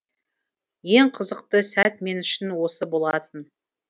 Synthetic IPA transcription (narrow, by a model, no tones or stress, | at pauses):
je̞ɴqʰəzəq̚t̪əsæt̪̚me̞nʏʃɪnwo̞səbo̞lˠɑt̪ən